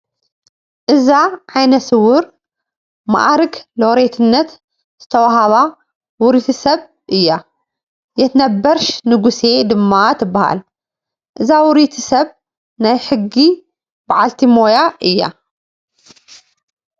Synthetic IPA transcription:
ʔɨzaʕajnɐsɨwʊɾ | ma̰ʔaɾɨɡloɾet̪ʰɨnːɐt̪ | z̥ɨt̪ʰɐwaɦaβa | wʊɾit̪ʰɨsɐβ | ʔɨjːa | jɛt̪nɐbɐɾʃnɨɡuse̞d̪ɨmːat̪ʰɨbːaha̰l | ʔɨzawʊɾit̪ʰɨsɐβ | najħɨɡːi | baʕalt̪ʰimojaʔɨjːa̰

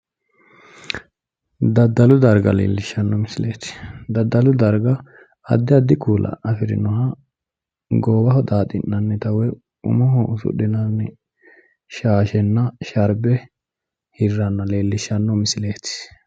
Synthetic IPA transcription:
d̪ɐd̪ːɐlʊd̪ɐɾɡɐ̰lḛːlːɪʃːɐnːɔmɪslḛːt̪d̪ɐd̪ːɐlʊd̪ɐɾɡɐ | ɐ̰d̪ːɪɐd̪ːɪkuːlʔɐ̰ɐfɪɾɪ̰nɔɦɐ | ɡoːbɐhɔd̪aːt̪ʼɪnːɐnːɛt̪ɐwɛ | ʊ̰mɔɦɔʊsʊ̰ɗɪnɐnːɛ | ʃaːʃɛnːɐʃɐɾbɛ | hɪrːɐnːɐleːlːɪʃɐnːɔmɪsɪle̞ːt̪ɪ̥

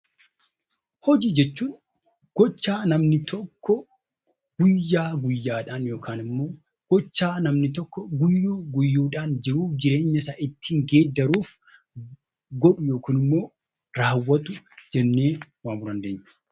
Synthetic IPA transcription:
hɔd͡ʒiːd͡ʒɛt͡ʃːuːn | ɡ̥ɔt͡ʃːaːnɐmnɪt̪ɔkːɔ | ɡ̥ʊjːaːɡʊjːaːᶑaːnjo̞ːkʰaːnɪmːo̞ː | ɡ̥ɔt͡ʃːaːnɐmnɪt̪̬ɔkːɔɡʊjːuːɡʊjːuːᶑaːnd͡ʒɪɾuːfd͡ʒɪɾe̞ːɲːɐsaːʔɪt̪ːiːŋɡeːd̪ːɐɾuːf | ɡɔᶑʊjo̞ːkiːnɪmːo̞ː | ɾaːwːɐt̪ʊd͡ʒɛnːeːwaːmʊɾɐnd̪eːɲːɐ

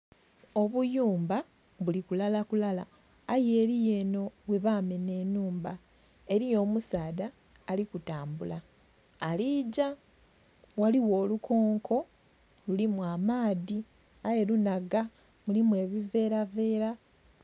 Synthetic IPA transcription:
o̞βujuːmba | βulikulalakulala̰ː | je̞ːɾije̞ːno̞βwe̞βaːme̞ne̞ːnuːmba | e̞ɾijo̞ːmusaːðaː | likutaːmbulaː | liːɟa | waliwo̞ːlukʰo̞ːŋkʰo̞ | lulimwaːmaːði | aje̞lunaɡa | mulimwe̞ːβive̞ːɾave̞ːɾa

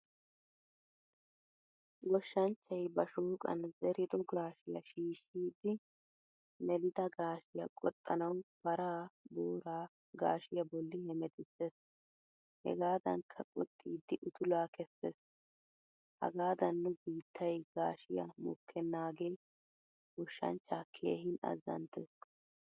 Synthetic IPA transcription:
ɡɔʃːɐnt͡ʃːɐjbɐʃuːkʼɐ̰nzɛɾɪd̪ɔɡaːʃɪjɐ̰ʃiːʃiːd̪ɪ | nɛlɪd̪ɐɡaːʃɪjɐkʼɔt̪ʼːɐnɐwb̥ɐɾaːbuːɾaː | ɡa̰ːʃɪjɐbɔlːɪhɛmɛt̪ɪsːes | hɛ̰ɡaːd̪ɐŋkʰːɐkʼɔt̪ʼːiːd̪ːɪʔʊt̪ʊlaːkɛsːɛs | hɐ̰ɡaːd̪ɐnːʊbiːt̪ʰːɐjɡaːʃɪjɐ̰mʊkʰːɛnːaːɡej | ʔʊʃːɐ̰nt͡ʃːaːkʰḛːhɪnɐ̰zɐ̰nt̪ɛs

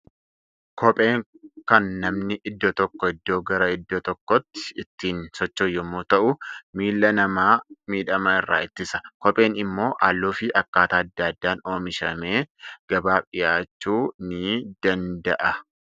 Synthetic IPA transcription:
kɔpʼe̞ːŋ | kɐnːɐmnɪʔɪd̪ːot̪ɔkːɔɪd̪ːo̞ːɡɐɾɐɪd̪ːoːt̪ɔkːɔt̪ːɪ̥ɪt̪ːiːnsɔt͡ʃːoːjːɔmːoːt̪ɐʔʊmiːlːɐnɐmaːmiːᶑɐmaɪrːa̰ːɪt̪ːɪsɐ̥kɔpʼe̞ːnɪmːo̞ːʔaːlːoːfɪʔɐkːaːt̪aːɐd̪ːaɐd̪ːaːnoːmɪʃɐme̞ːɡ̥ɐbaːpɪjaːt͡ʃːuːnɪd̪̥ɐnd̪ɐʔɐ

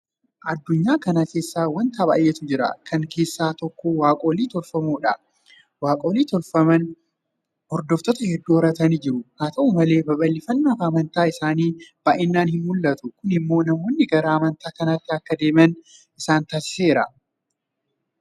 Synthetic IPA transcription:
ʔɐd̪ːʊɲːaːkɐnɐke̞ːsːaːwɐnt̪aːba̰ːjʔɛt̪ʊd͡ʒɪɾɐ̰kʰɐŋkʰe̞ːsːaːt̪ɔkːowaːkʼoːliːt̪ɔlfɐmuːᶑɐ | waːkʼo̞ːliːt̪ɔlfɐmɐn | hɔɾd̪ɔft̪ɔt̪ɐhɛd̪ːuɔɾɐt̪ɐniːd͡ʒɪɾʊnaːt̪ɐʔʊmɐle̞ːbɐbɐlːɪfɐnːafɐːmɐnt̪aːɪsaːniːb̥aːʔɪnːaːnhɪnmʊlːɐt̪ʊkʊnɪmːo̞ːnɐmoːnːɪɡɐɾaːmɐnt̪aːkɐnɐt̪ːɪɐkːɐd̪e̞ːmɐnʔɪsaːnt̪aːsɪ̥se̞ːɾɐ

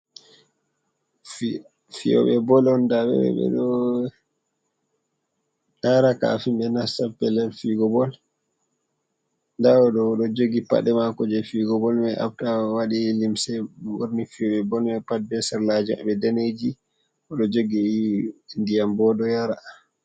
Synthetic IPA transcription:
fḭjɔ̰ɓɛbɔlɔndaɓɛ̰ɛ̰ɓɛ̰ɗɔ | jaɾaka̰ːfimbɛnasapːɛlɛɾfiɡɔbɔl | ndaɔɗɔɗɔd͡ʒoɡipa̰ɗɛmakɔd͡ʒɛfiɡɔbɔlmɛʔa̰ftawaɗilimsɛwo̰ɾnifiɔɓɛbɔlmɛpad̚bɛsɛɾlad͡ʒa̰bɛdɛned͡ʒi | ɔɗɔd͡ʒoɡi | ndijambɔɗɔjaɾa

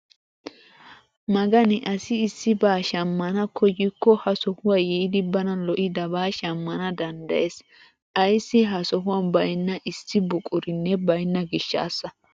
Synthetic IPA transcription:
mɐɡɐnɪʔɐsɪːsːɪbaːʃɐmːɐnɐkʰɔjɪkːɔhɐsɔhʊwaːjɛɪd̪ɪbɐnɐlɔʔɪd̪ɐbaːʃɐmːɐnɐd̪ɐnd̪ɐ̰jes | ʔɐjsːɪɦɐsɔɦʊwanbɐjnːɐʔɪsːɪbʊkʼʊɾɪnːɛbɐjnːɐɡɪʃːa̰ːsːɐ

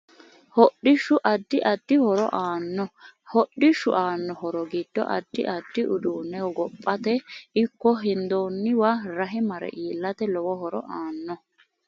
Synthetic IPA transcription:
hɔɗːɪʃʊʔɐd̪ːɪʔɐd̪ːɪhɔɾɔ̰ʔaːnːɔhɔɗɪʃʊ̰ʔaːnːɔɦɔɾɔɡid̪̥ːɔ̰ʔɐ̰d̪̥ːɪ̰ʔɐd̪ːɪʔʊd̪uːnːɛɔɡɔpʼːɐt̪ɛɪkːɔɦɪnd̪oːnːɪwaɾɐɦɪmɐɾɛ̰ʔiːlːɐt̪ɛlɔwɔɦɔɾɔ̰ʔaːnːɔ

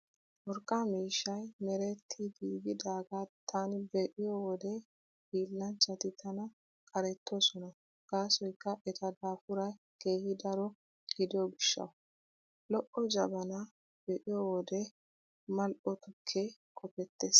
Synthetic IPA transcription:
wɔɾkʼːaːmiːʃːɐjmɛɾɛt̪ʰːɪd̪iːɡɪd̪aːɡat̪ʰːanɪbɛʔɪjɔwɔd̪ɛ | biːlːɐnt͡ʃːɐt̪ɪt̪ʰɐnɐ | kʼɐɾɛt̪ːɔsɔnɐ | ɡ̥aːsɔjkːɐʔɛt̪ɐd̪aːfʊɾɐj | keːhɪd̪ɐɾɔ | ɡ̥ɪd̪ɪjɔɡɪʃːɐ̰ʊ | lɔʔɔd͡ʒɐbɐnɐ | b̥ɛʔɪjɔwɔd̪ɛ | mɐlʔɔt̪ʊkʰːekʼɔpɛt̪ːeːs

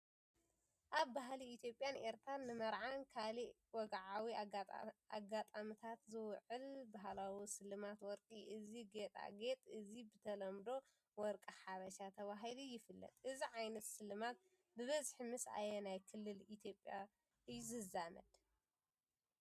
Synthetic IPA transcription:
ʔaβbaɦliit̪ʰjo̞pʼːjane̞ɾt̪ʰɾanːɨmɐɾʕankʰali | wɔɡʕawi | a̰ɡat̪ʼamt̪ʰat̪zɨwʕɨlbaɦlawisɨlːɨmat̪wɔɾkʼiʔɨziɡet̪ʼa̰ɡet̪ʼɨzibɨt̪ʰɐlɐmd̪o̞ | wɔɾkʼɨħaβɐʃat̪ʰɐβaɦilijɪfɨlːɐ̰t̪ʼʔɨziʕajnɐt̪sɨlɨmat̪̚ | bɨβɐzħmɨsa̰jɛnajkʰɨlːɨlit̪ʰjo̞pʼja | ʔɨjːuzɨzamɐ̰d̪̥

